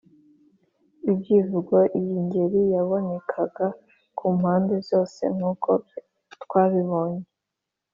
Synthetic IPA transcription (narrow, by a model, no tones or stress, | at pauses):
ibɟiːvuɡoʔijiɲɟe̞ɾijaβo̞ne̞kʰaɡ̥a | kʰum̥haːnde̞zzjo̞ːse̞̰mhukʰob | twaːβiβo̞ːɲe